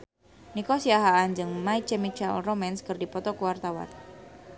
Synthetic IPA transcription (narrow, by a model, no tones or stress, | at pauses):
nikɔsiaɦaːnd͡ʒɨŋmait͡ʃɛmit͡ʃalromɛnskərdipɔt̪ɔkuwart̪awa̰n